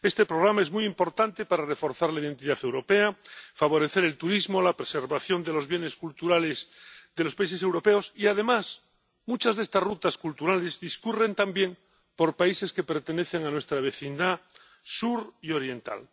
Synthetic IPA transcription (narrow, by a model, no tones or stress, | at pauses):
est̪e̞pɾoɣɾamaezmujimpo̞ɾt̪ant̪e̞paɾare̞fo̞ɾθaɾlaiðe̞nt̪iðaθewɾo̞peafaβ̞o̞ɾe̞θeɾe̞lt̪uɾizmo̞lapɾese̞ɾβaθjo̞nd̪elo̞zβjene̞skult̪uɾalezðelospais̬e̞se̞wɾo̞peosiaðe̞mas | mut͡ʃazðe̞st̪azrut̪askult̪uɾalezðiskure̞nt̪ambje̞ŋ | po̞ɾpaise̞skepe̞ɾt̪ene̞θeŋanwe̞st̪ɾaβ̞e̞θind̪a | suɾio̞ɾje̞nt̪a̰l